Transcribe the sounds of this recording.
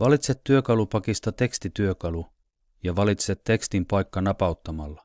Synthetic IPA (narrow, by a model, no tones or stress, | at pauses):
ʋɑlit̪set̪ːyøkɑlupɑkist̪ɑt̪e̞kst̪it̪yøkɑlu | jɑʋɑlit̪set̪ːe̞kst̪impɑjkːɑnɑpɑwt̪ːɑmɑlːɑ